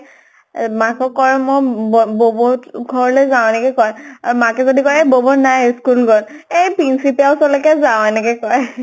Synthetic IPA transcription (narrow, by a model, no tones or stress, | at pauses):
makɔkːɔɹɛmɔjbobɔɡʱɔɹɔlɔzaw̃ɛnɛkɛkɔjaɹumakɛzodikɔɹebobɔnajskulɡʱɔtejpinsipiawsɔlɛkɛzawɛnɛkɛkɔɹ